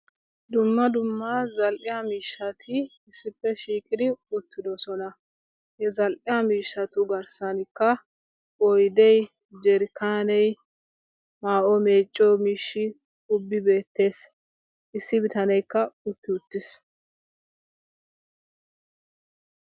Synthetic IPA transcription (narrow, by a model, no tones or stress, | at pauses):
d̪ʊmːɐd̪ʊmːɐzɐlʔɪjamiːʃːɐt̪ʰɪ | ɪsːɪpːɛʃiːkʼɪd̪ɪʊt̪ːɪd̪ɔsɔnɐ | hɛzɐlʔɪjamiːʃːɐt̪ʊɡɐɾsɐnɪkːɐ | ɔjd̪ɛj | d͡ʒɛɾɪkʰaːnɛj | maːʔɔmeːt͡ʃʼːɔmiːʃːɪ | ʊbːɪbe̞ːt̪ːe̞ːs | ʔɪsːɪbɪt̪ɐnɛjkːɐʊt̪ːɪʊt̪ːɪs